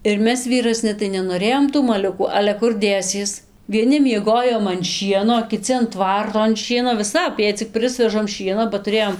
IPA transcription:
ɪr ˈmʲɛs ʋʲiːrɐˈsʲnʲɪ tɐɪ nʲɛnoːˈrʲeːjoːm tuː mɐˈlʲʊkuː ɐlʲɛ ˈkʊr ˈdʲeːsʲiɛs ʋʲiɛˈnʲɪ mʲiɛˈɡoːjoːm ɐn ˈʃʲiɛnoː oː kʲɪˈt͡sʲɪ ɐn ˈtʋɐrtoː ɐn ˈʃʲiɛnoː ʋʲɪˈsɐp jɛɪ t͡sʲɪk ˈprɨsʲʋʲɛʒɐm ˈʃʲiɛnoː bɐ tʊˈrʲeːjoːm

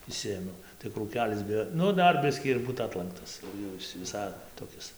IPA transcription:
ɪʃʲˈsʲɪeːmʲɛʊ tɐɪ kruːˈkʲæːlʲɪs bʲɪ ˈnʊ ˈdɐr ˈbʲɪsʲkʲiː ɪr ˈbuːt ˈɑːtlˠɐŋktɐs ˈjɛʊ ɪs ʋʲɪˈsɐɪ toːˈkʲɪs

